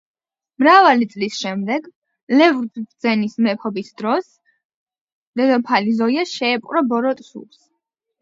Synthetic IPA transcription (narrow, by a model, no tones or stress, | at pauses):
mɾavalit̪sʼlisʃɛmd̪ɛɡ | lɛvd̪bd̪zɛnismɛpʰɔbisd̪ɾɔs | lɛd̪ɔpʰalizɔiaʃɛːpʼqʼɾɔbɔɾɔt̪ʼsṵps